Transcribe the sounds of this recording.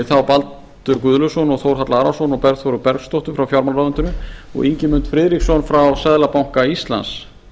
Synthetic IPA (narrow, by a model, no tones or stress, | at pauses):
θawpalt̪ʏɾkʏðlʏsɔnɔɣθowɾ̥ɦat̪laaɾasɔnɔɣpɛɾðθɔwɾʏpɛɾɣst̪owht̪ʏfɾawfjawɾmanaðʏnt̪ʏnʏɔ̰ɣiɲcɪmʏnt̪fɾɪːðɾiksɔnfɾawsɛðlapawŋ̥kaist̪la̰ns